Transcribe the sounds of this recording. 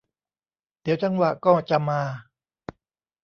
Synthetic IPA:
d̪i˨˩˦wt͡ɕa˧ŋwa˨˩ʔkɔː˥˩t͡ɕa˨˧˨maː˧

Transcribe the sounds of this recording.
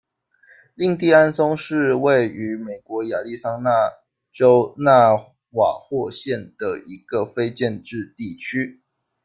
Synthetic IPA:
li˥˧ŋt̪i˥˩a˥nsʊ˥ŋʂɻ̩˥˧we˥˨ɪy˧˥me˨˩ɪkwɔ˧˥ja˨˩li˥˩sɑ˥ŋna˥˩ | ʈ͡ʂo˦ʊna˥˧ | wa̰˨˩xwɔ˥˧ɕjɛ˥˩nd̪̥ə˩i˧˥ɡ̥ə˨fe˥ɪt͡ɕjɛ˥˧nʈ͡ʂɻ̩˥˧t̪i˥˩t͡ɕʰy˥

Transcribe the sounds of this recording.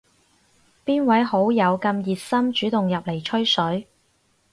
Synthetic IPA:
piː˥nwɐ˨˥jho˨˥wjɐ˨˧wkɐ˧mjiː˨t̚sɐ˥mt͡ʃyː˨˥t̪ʊ˨ŋjɐ˨p̚le˨˩jt͡ʃʰɵ˥ɥsɵ˨˥ɥ

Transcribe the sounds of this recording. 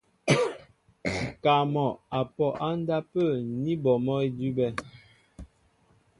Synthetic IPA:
ka˨mɔ˨a˨pɔ˨ʔa˦n˦da˦pə˦˨ni˦bɔ˨mɔ˦i˦di˦bɛ˦

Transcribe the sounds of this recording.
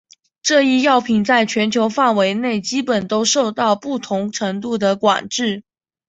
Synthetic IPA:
ʈ͡ʂɤ˥˧i˥˧jɑ˥˩ʊpʰi˨˩ŋt͡sa˥˩ɪt͡ɕʰɥɛ˧˥nt͡ɕʰjo˧˥ʊfa˥˩nwe˧˥ɪne˥˩ɪt͡ɕi˥pə˨˩nt̪o˥ʊʂo˥˧ʊt̪ɑ˥˧ʊpu˥˩t̪ʰʊ˧˥ŋʈ͡ʂʰɤ˧˥ŋt̪u˥˩d̪ə˩kwa̰˨˩nʈ͡ʂɻ̩˥˩

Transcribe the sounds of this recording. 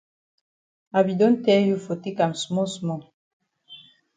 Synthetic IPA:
a˨bi˨dɔ˦n˦tɛ˦ju˦fo˨ti˦ka˨msmɔ˦smɔ˨

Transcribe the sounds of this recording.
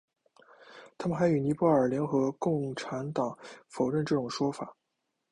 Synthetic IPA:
t̪ʰa˥mə˨nxa˧˥ɪy˨˩ni˧˥pwɔ˥˩ə˞˨˩ljɛ˧˥nxɤ˧˥kʊ˥˩ŋʈ͡ʂʰa˧˥nt̪ɑ˨˩˦ŋfo˨˩ʊɻə˥˧nʈ͡ʂɤ˥˩ʈ͡ʂʊ˨˩ŋʂwɔ˥fa˨˩˦

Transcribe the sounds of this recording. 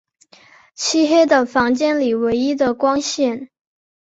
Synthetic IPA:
t͡ɕʰi˥xɛ˥d̪ə˨˩fɑ˧˥ŋt͡ɕjɛ˥˩nli˨˩we˧˥ɪi˥d̪ə˨kwɑ˥ŋɕjɛ˥˩n

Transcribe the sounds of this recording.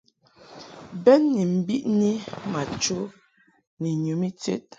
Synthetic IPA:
bɛ˦nːi˨m̩˨bi˦ʔni˦ma˨t͡ʃo˦ | ni˨ɲu˨˦mi˦tḛ˦t̚

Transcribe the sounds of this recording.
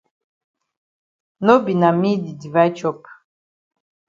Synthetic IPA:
no˦bi˨na˨mi˦d̪i˨di˨va˦jt͡ʃɔ˦p

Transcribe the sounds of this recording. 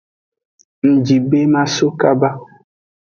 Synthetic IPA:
n̩˨d͡ʒi˨be˦mã˦so˦ka˦ba˦

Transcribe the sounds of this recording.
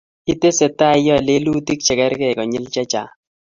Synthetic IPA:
i˦te˦sɛ˨ta˦˨˦jɔ˦˨le˦lu˦ti˦k̚t͡ʃɛ˨kɛ˦ɾkɛ˦˨kɔ˨ɲɪ˦lt͡ʃa˦t͡ʃa̰˨

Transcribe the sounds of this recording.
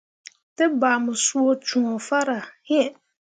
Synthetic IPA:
tɪ˦baː˨mʊ˨su˦o˦t͡ʃu˨ŋɔ˨fa˦ɾa˨hɪ˦˨

